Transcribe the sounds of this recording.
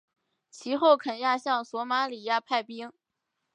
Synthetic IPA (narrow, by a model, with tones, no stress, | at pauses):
t͡ɕʰi˧˥xo˥˩ʊkʰə˨˩nja˥˧ɕjɑ˥˩ŋswɔ˧˥ma˧˥li˨˩ja˥˧pʰa˥˩ɪpi˥ŋ